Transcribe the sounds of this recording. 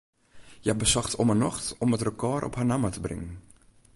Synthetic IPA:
jəɛbəsɔχtɔmənɔχtɔmətrəkɑːɾʔɔ̰pɦanamatəbrɪ̰ŋ

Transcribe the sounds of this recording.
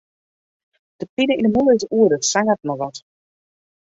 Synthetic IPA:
d̥əpɪnəindəmulˠəɪzuədətsaŋət̚nɔʋɔt

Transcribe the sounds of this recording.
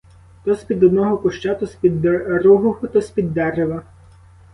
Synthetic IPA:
t̪ɔsʲpʲid̪ɔd̪nɔɦɔkʊʃt͡ʃat̪ɔsʲpʲid̪ɾuɦʊxʊt̪ɔsʲpʲid̪ːɛreʋɐ

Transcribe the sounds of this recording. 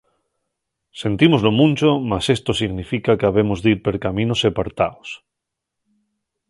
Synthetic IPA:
se̞nt̪imozlo̞mũnʲt͡ʃomase̞st̪osiɣnifikakaβ̞e̞mozðiɾpe̞ɾkamĩnosepaɾt̪a̰os

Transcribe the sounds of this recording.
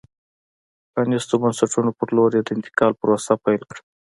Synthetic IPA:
anist̪əbənsaʈunopəɾloɾjed̪əɪnt̪ɪ̥kɑlpəɾwast̪apajlkɽə

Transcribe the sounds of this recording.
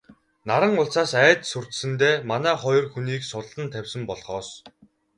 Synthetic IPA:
naɾə̆ŋʊɮsaːsæːt̪sur̥t̪sɘ̆nt̪eːmanæːχɔjɞ̆rxuniːksʊɮɮə̆nt̪ʰæwʲsə̆mpɔɮχɔːs

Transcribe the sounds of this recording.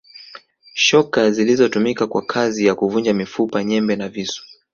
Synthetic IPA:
ʃɔkazilizɔtumikakwa̰kʰazijakuvund͡ʒamifupaɲɛmbɛnavisu̥

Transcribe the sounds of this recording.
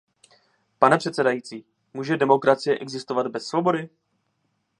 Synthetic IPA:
panɛpr̝̥ɛt̪sɛdajit͡siː | muːʒɛdɛmo̞kɾat͡sɪjɛʔɛɡzɪst̪ovad̪bɛsːvo̞bo̞dɪ

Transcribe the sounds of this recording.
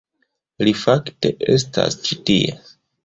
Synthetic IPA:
lifakte̞ʔe̞̰s̬ta̰st͡ʃitie

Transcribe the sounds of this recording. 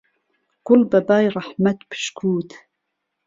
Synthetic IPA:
kʊlbabaːjɾˤɑħmat̪pʰɨ̥ʃkʰuːt̪

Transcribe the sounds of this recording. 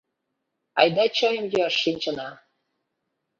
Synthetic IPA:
ɑ̰jd̪ɑt͡ɕojəmjøʃːinʲt͡ɕə̆nɑ

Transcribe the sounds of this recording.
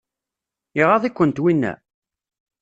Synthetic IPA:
iʁɑðˤikʷːənt̪winːæ̰

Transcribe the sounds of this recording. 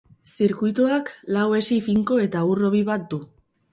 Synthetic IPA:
siɾkujt̪uaklawe̞sifiŋko̞e̞t̪auro̞β̞iβat̪̚d̪u

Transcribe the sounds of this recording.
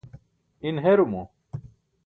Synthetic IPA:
inɦeɾumu

